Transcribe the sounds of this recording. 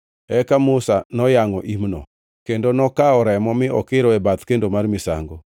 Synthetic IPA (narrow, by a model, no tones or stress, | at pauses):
ɛkamʊsanɔjaŋɔʔimnɔ̰ | kendonɔkaɔɾɛmɔmɪʔɔkɪɾɔɛbat̪kendomarmɪsa̰ŋɡo